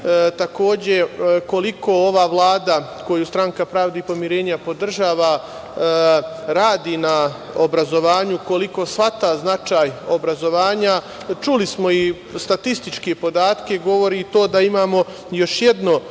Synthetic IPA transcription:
t̪ako̞ːd͡ʑe̞ko̞liko̞oʋaːʋlˠaːd̪ako̞just̪ɾaŋkapɾaːʋd̪epo̞mjiɾe̞ːɲapo̞d̪r̩ʒaːʋa | ɾaːd̪iːna | obɾazo̞ʋaːɲuko̞liko̞sʋat̪aznat͡ʃaːjo̞bɾazo̞ʋaːɲa | t͡ʃulismo̞i | st̪at̪ist̪it͡ʃkepo̞d̪aːt̪ke̞ɡo̞ʋo̞ɾit̪o̞ːd̪aimaːmo̞ | jo̞ʃjed̪no̞

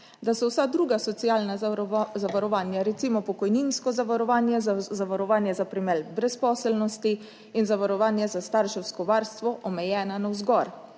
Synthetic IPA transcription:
d̪asɔwsad̪ɾuːɡasɔt̪sijaːlnazaʋaɾɔʋaːnjaɾɛt̪simɔpɔkɔjninskɔzaʋaɾɔʋaːnjɛzaʋaɾɔʋaːnjɛzapɾimɛlbɾɛspɔːsɛlnɔst̪i | inzaʋaɾɔʋaːnjɛzast̪aɾʃɛwskɔʋaɾst̪ʋɔʔɔmɛjɛːnanawzɡɔɾ

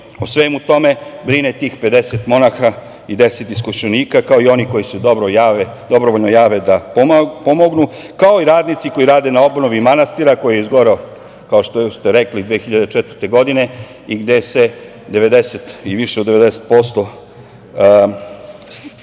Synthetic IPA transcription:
osʋeːmut̪o̞me̞bɾinet̪iːxpe̞d̪eset̪mo̞naxa | id̪eset̪iskoʃeniːkakao̞io̞niko̞jisud̪oɾojae | d̪o̞bɾoʋoʎnojaːʋe̞d̪appo̞moɡnu | kao̞iɾaːd̪nit̪siko̞iɾaːd̪e̞nao̞bnoʋimanast̪iɾako̞jijeizɡo̞ɾeo | kaoʃt̪ost̪e̞ɾeklid̪ʋeːxiʎad̪et͡ʃɛt̪vəɾt̪e̞ɡo̞d̪ine̞ | iɡd̪e̞se̞ | d̪e̞ʋe̞d̪eset̪iʋiʃeod̪eed̪ese̥t̪̚po̞st̪o̞

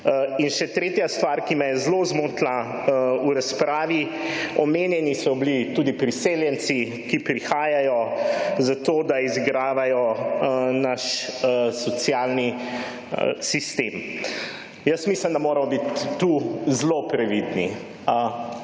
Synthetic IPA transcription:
inʃɛt̪ɾeːt̪jast̪ʋaːɾkimɛjɛzlozmot̪la | uɾaspɾaːʋi | ɔmeːnjɛnisɔblit̪uːd̪ipɾiseːljɛnsi | kipɾixaːjajɔzat̪oːd̪aizɡɾaːʋajɔ | naʃsɔt̪sjaːlnḭ | sist̪em | jəsmislimd̪amoːɾɐmɔbit̪ːuzlopɾɛʋid̪nḭ

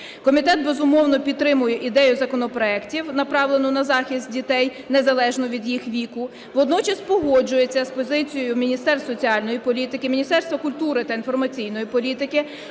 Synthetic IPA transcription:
kɔmʲit̪ɛt̪̚bezʊmɔwnɔpʲit̪ːɾɪmʊjɛʔid̪ɛjʊzɐkɔnɔpɾɔɛktʲiwnɐpɾɑwlˠenɔnɐzɑxʲisʲt̪̚ʲdʲit̪ɛj | nezɐlˠɛʒnɔʋʲid̪jixʋʲikʊ | ʋɔd̪nɔt͡ʃɐspɔɦɔd͡ʒʊjet͡sʲːɐspɔzɪt͡sʲijɔjʊmʲinʲist̪ɛrsɔt͡sʲiɑlʲnɔjipɔlʲit̪ɪkɪmʲinʲist̪ɛrst̪ʋɐkʊlʲt̪uɾɪt̪ɐinfɔrmɐt͡sʲijnɔjipɔlʲit̪ɪkɪ

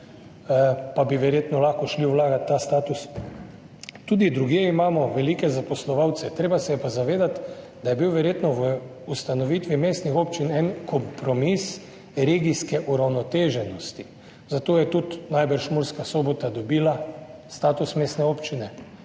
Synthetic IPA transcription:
pabiʋɛɾjeːt̪nɔlaxkɔʃliuwlaːɡat̪t̪ːast̪aːt̪us | t̪ud̪id̪ɾuɡjeimaːmɔʋɛlikɛzapɔslɔʋawt̪sɛt̪ɾeːbasɛjɛpazaʋeːd̪at̪ | d̪ajɛbiwʋɛɾjeːt̪nɔʋə | ust̪anɔʋiːt̪ʋimeːst̪nixoːpt͡ʃinɛnkʰɔmpɾɔmis | ɾeːɡiskɛʔuɾawnɔt̪eːʒɛnɔst̪i | zat̪oːjɛt̪ut̪najbəɾʃmuɾskasoːbɔt̪ad̪ɔbiːlast̪aːt̪usmest̪nɛoːpt͡ʃinɛ

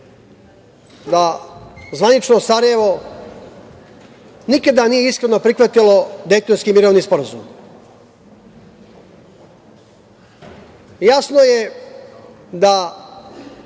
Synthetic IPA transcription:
d̪azʋanit͡ʃno̞saɾaje̞ʋo̞ | nikad̪anije̞iskɾeno̞pɾikʋat̪ilo̞d̪ejt̪onskimiɾo̞ʋnispo̞ɾazum | jasno̞je | d̪a

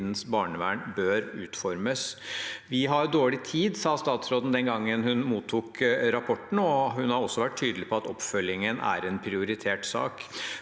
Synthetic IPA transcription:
d̪n̩sbɑːɳəʋæːɳbøːɾʉːt̪fɔɾməsʋɪɦɑɾd̪oːɭɪt̪ʰiːd̪sɑːst̪ɑːt̪sɾoːd̪n̩d̪ɛnɡɑŋːənhʉnmuːt̪ʰːuːkɾɑpʰɔʈn̩ɔhʉnhɑɾɔsːɔʋæʈ̪ʰːyːd̪əlɪpʰɔɑt̪ɔpːfœlɪŋənʔæ̰ːɾɛnpʰɾɪʊɾɪt̪ʰeːʈsɑ̰ːk

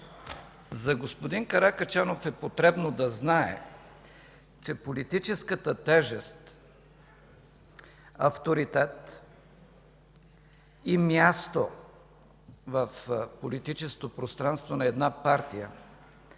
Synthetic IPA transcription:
zɐɡospod̪iŋkɐɾakɐt͡ʃanofɛpot̪ɾɛbnod̪ɐznaɛ̰ | t͡ʃɛpolit̪it͡ʃɛskət̪ət̪ɛʒɛst̪ | ɐ̰ft̪oɾit̪ɛt̪ | imjast̪o | vəfpolit̪it͡ʃɛskot̪opɾost̪ɾanst̪vonɐɛd̪napaɾt̪ijə̰

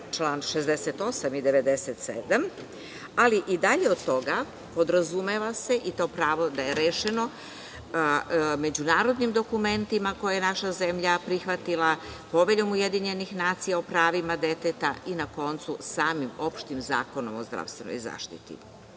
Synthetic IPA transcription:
t͡ʃlˠaːnʃezd̪eset̪o̞samid̪eʋe̞d̪eset̪sḛd̪am | aliʔid̪aʎeo̞d̪t̪o̞ɡa | po̞d̪ɾazume̞ʋase̞ʔit̪o̞ːpɾaːʋo̞d̪ajeɾeːʃe̞no̞ | me̞d͡ʑunaːɾo̞d̪nimd̪o̞kume̞nt̪imako̞jajenaʃaze̞mʎapɾixʋat̪ilˠapo̞ʋeʎo̞muje̞d̪iɲe̞nixnaːt̪sijaopɾaːʋimad̪e̞t̪et̪ainako̞nt̪susaːmimo̞pʃt̪imza̰ːko̞no̞̰mozd̪ɾa̰ʋst̪ʋeno̰jza̰ːʃt̪ḭt̪ḭ

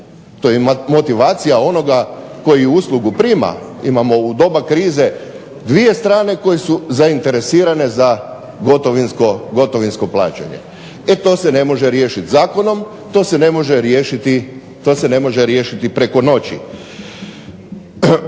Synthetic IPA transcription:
t̪o̞jemo̞t̪iʋaːt̪sijao̞no̞ɡako̞jiuuːslˠuɡupɾiːma̰ḭmamo̞ud̪o̞bakɾiːze̞ | d̪ʋije̞st̪ɾaːne̞ko̞jesuzaint̪eɾe̞siːɾane̞za | ɡot̪oʋinskoɡo̞t̪o̞ʋinsko̞plˠa̰ːt͡ɕa̰ɲḛ | et̪o̞ːse̞ne̞mo̞ʒeɾje̞ːʃit̪zaːko̞no̞m | t̪oːsene̞mo̞ʒeɾjeːʃit̪i | t̪o̞ːse̞ne̞mo̞ʒeɾjeːʃit̪ipɾeko̞no̞t͡ɕḭ

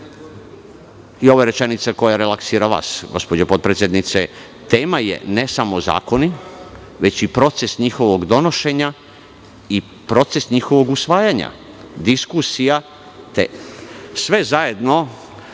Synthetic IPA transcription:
io̞ʋoɾe̞t͡ʃenit̪sako̞jaɾelaksiːɾaʋa̰sɡo̞spod͡ʑopo̞t̪̚pɾesʲjed̪nit̪se | t̪e̞ːmajḛnesamo̞za̰ːko̞ni | ʋe̞t͡ɕipɾo̞t̪se̞sɲixo̞ʋo̞ɡd̪o̞no̞ʃe̞ɲa | i | pɾo̞t̪se̞sɲixoʋo̞ɡusʋaːjaɲa̰ | d̪iskusija | t̪ḛsʋe̞zaje̞d̪no̞

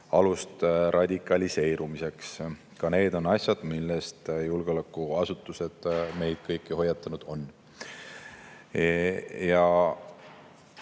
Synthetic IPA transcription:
ɑlust̪rʔɑd̪̥ʲikːˑɑlʲise̞ːɾumise̞ks | kɑne̞ːd̪̥o̞nɑsʲjɑd̪̥milːest̪julɡ̥eo̞lækːˑuɑsut̪ːˑuse̞d̪̥me̞jd̪̥̚kɤjkːˑiho̞jːɑt̪ːˑɑnud̪̥o̞nː | jɑ

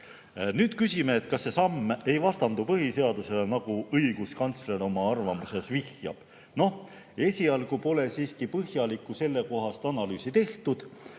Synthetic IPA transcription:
nyːd̪̥kysʲime̞ːt̪̚kɑsːe̞sɑmːe̞jvɑst̪ɑnd̪upɤɦise̞ɑd̪use̞le̞nɑɡ̥uʔɤjɡ̥uskɑnt̪sle̞ɾo̞mɑɑrvɑmuse̞svihjɑ̰b̥ | no̞h | e̞sʲiɑlɡ̥upo̞le̞siːskipɤhjɑlikːˑuse̞lːe̞ko̞ɦɑst̪ɑnɑlyːsit̪e̞ht̪ud̪̥

